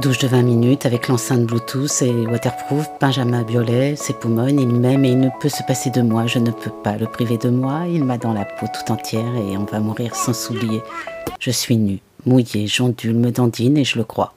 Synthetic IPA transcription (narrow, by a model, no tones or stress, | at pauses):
d̪uʒd̪əvɛ̃minyt̪avɛklɑ̃sɛ̃t̪̚blut̪ʰuselwat̪ɛʁpχuvb̥ɛ̃ʒamɛ̃bjɔlɛsepumɔnilmɛmɛilnəpøsəpased̪əmwaʒənəpʰøpaləpχived̪əmwailmad̪ɑ̃lapʰot̪u̥t̪ɑ̃t̪jɛʁeɔ̃vamuʁiʁsɑ̃sublijeʒ̥əsɥiny | mujeʒɑ̃d̪ylməd̪ɑ̃d̪ineʒələkχwa̰